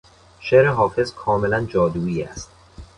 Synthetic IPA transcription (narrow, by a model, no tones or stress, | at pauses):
ʃeɾeɦɒːfe̞zkʰɒːme̞lænd͡ʒɒːd̪uːiːæ̰st̪̚